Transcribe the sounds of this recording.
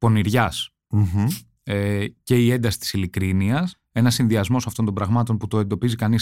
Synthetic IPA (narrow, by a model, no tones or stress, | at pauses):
po̞niɾʝɐs | ece̞ie̞nd̪ɐsi̥t̪isilikɾiniɐs | e̞nɐsːinðiɐzmo̞sɐft̪o̞nd̪o̞mbɾɐɣmɐt̪o̞nput̪o̞e̞nd̪o̞pizikɐnis